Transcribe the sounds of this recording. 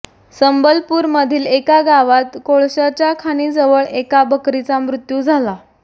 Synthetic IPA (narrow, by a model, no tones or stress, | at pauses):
səmbəlpuːɾməd̪ʱiːlekaɡaʋat̪koɭɕat͡ɕjakʰañiːd͡zəʋəɭekabəkɾit͡samɾut̪juːd͡zʱala